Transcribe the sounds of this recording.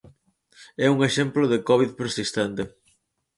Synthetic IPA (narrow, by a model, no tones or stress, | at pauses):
ɛuŋeʃɛmploðekɔβiðpeɾsist̪ɛnt̪e